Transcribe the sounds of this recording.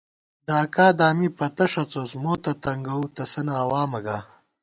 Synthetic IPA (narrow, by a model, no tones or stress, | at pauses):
ɖaːkaːd̪aːmipɐt̪ɐʂɐt͡sosmoːt̪ɐt̪ɐŋɡɐut̪ɐsɐnɐːwaːmɐɡaː